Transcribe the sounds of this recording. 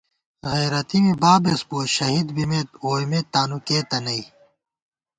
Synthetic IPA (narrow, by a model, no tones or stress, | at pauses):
ɣeːɾɐt̪imibaːbesboːɕɐɦid̪bimet̪oːjmet̪ːaːnukeːt̪ɐnɐj